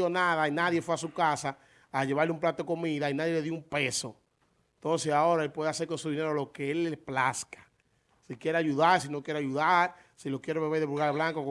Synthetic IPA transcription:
onaðainaðje̞fweasukasaː | ʝe̞βaɾleump̬lat̪oeko̞miðainaðjele̞ðjoumpeso̰ | nt̪o̞nsesao̞ɾaelpwe̞ðeas̬eɾko̞nsuðine̞ɾolo̞keelːeplaskḁ | sikjeɾeaʝuðaɾsinokje̞ɾeaʝuðaɾ | silokje̞ɾeβeβeɾðeβulɣaɾβlaŋkok

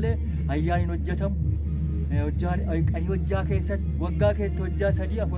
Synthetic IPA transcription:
leː | hɐjːaːnɪnhɔd͡ʒːɛt̪ɐm | aː | kʼɐniːhɔd͡ʒːaːke̞ːsːɐt̪ːɪwɐɡːaːke̞ːshɔd͡ʒːaːsɐd̪iːɐfʊ

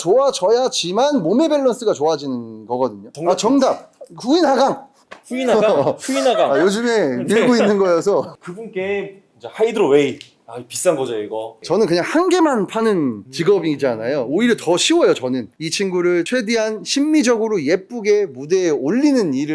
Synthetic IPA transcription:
t͡ɕoat͡ɕʌjad͡ʑimanmome̞be̞ɭːʌns͈ʰɯɡat͡ɕoad͡ʑinɯnɡʌɡʌdɯɲoat͡ɕʌŋdap̚ɸuinɦaɡaŋ | uinuiaɡaajod͡ʑɯme̞miɭɡoinːɯnɡʌjosʰʌkɯbunk͈e | ind͡ʑehaidɯɾowei | aipis͈anɡʌd͡ʑʌiɡʌt͡ɕʌnɯnkɯɲaŋhanɡe̞manpʰanɯnt͡ɕiɡʌbid͡ʑianajooiɾtʌɕʰiwʌjot͡ɕʌnɯnit͡ɕʰiŋɡuɾɯɭt͡ɕʰwe̞deɦanɕʰimːid͡ʑʌɡɯɾoje̞p͈uɡe̞mude̞oʎːinɯniɾɯ

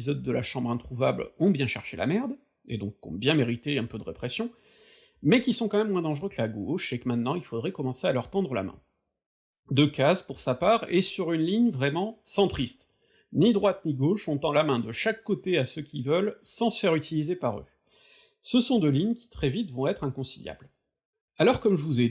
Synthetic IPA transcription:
izɔd̪ːəla̰ʃɑ̃bʁɛ̃t̪χuva̰blɔ̃bjɛ̃ʃɛʁʃela̰mɛʁd̪ | ḛd̪ɔ̃kːɔ̰̃mbjɛ̃meʁit̪eɛ̃pød̪əʁepχɛsjɔ̃ | mɛkʲisɔ̃kɑ̃mɛmːwɛ̃d̪ɑ̃ʒʁøklaɡoʃekəmɛ̃t̪nɑ̃ilfod̪ʁɛkɔmɑ̃sealœʁt̪ɑ̃d̪ʁəla̰mɛ̰̃ | d̪økazpuʁsapaːʁesyʁynliɲvʁɛmɑ̃sɑ̃t̪χist̪ | nid̪ʁwat̪niɡoʃɔ̃t̪ɑ̃lamɛ̃d̪əʃakːot̪easəkʲʰivœlsɑ̃sə̥fɛʁyt̪ʰilizepaʁø̰ | səsɔ̃d̪øliɲkʲi̥t̪χɛvit̪vɔ̃ɛt̪χɛ̃kɔ̃silja̰bl | alɔʁkɔmʒəvuze

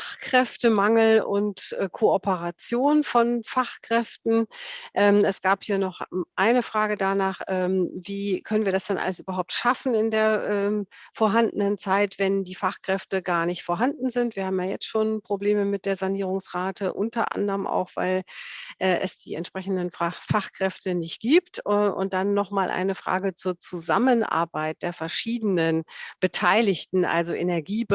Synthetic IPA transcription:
aχkʁ̥ɛftəmaŋl̩ʊ̰ntʔɛːkʰoʔɔpəʁat͡sjoːnfɔnfaχkʁ̥ɛftn̩ʔɛːmɛsɡ̥aːphiːɐnɔχʔaɪnəfʁ̥aːɡədanaːχʔɛːmviːkʰœnənviːɐdasd̥ɛnʔa̰ləs̬ʔyːbɐɦaʊp̚tʃafn̩ɪndeːɐʔɛːmfoːɐɦandənənt͡saɪtv̥ɛndiːfaχkʁ̥ɛftəɡaːɐnɪçtfoːɐɦandn̩zɪntv̥iːɐhaːbm̩jaːjɛ̰t͡stʃoːnpʁ̥obleːməmɪt̚d̥eːɐzaniːʁ̞ʊŋsʁaːtʰəʔʊntɐ̰ʔa̰ndəʁəmʔa̰ʊxv̥a̰ɪlʔɛːɛ̰sd̥ḭːɛ̰ntʃpʁ̥ɛçn̩dənfafaχkʁ̥ɛftənɪçt̚ɡ̥iːptɛʔʊ̰nt̚d̥anːɔχmaːlʔa̰ɪnəfʁ̥a̰ːɡət͡suːɐt͡suzamənʔa̰ɐbaɪt̚d̥eːɐfɛɐʃiːdənənb̥ətʰaɪlɪçtn̩ʔa̰lzoʔenɛɐɡiːb

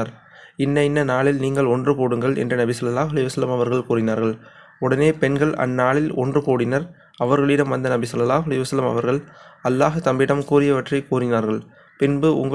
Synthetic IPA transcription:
aɾ | ɪnːɐɪnːɐnaːɭɪlniːŋɡɐɭɔndrɯpoːɽɯŋɡɐɭɛ̰ndrɯnɐbɪsɐlːɐlaːʊɣɐlɐjɐʋsɐlɐmɐʋɐɾɣɐɭkuːrɪnaːɾɣɐɭ | ʊɽɐneːpɛnɡɐɭɐ̰nːaːɭɪlɔ̰ndrɯpoːɽɪnɐɾ | ɐʋɐɾɣɐɭɪɽɐmʋɐnd̪ɐnɐbɪsɐlːɐlaːɦʊɐlɐjɐʋɐsɐlɐmɐ̰ʋɐɾɣɐɭɐlːaːɣɯt̪ɐmbɪɽɐmkuːrɪjɐʋɐʈrɐɪkuːrɪnaːɾɣɐɭ | pɪnbɯʊ̰ŋɡɐ

